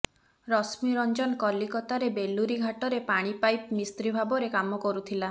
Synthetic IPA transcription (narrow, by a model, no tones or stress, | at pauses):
ɾɔsmiɾɔnd͡ʒɔnkɔlikɔt̪aɾebeluɾiɡʱaʈɔɾepaɽ̃ipajp̚mist̪ɾibʱabɔɾekamɔkɔɾut̪ʰila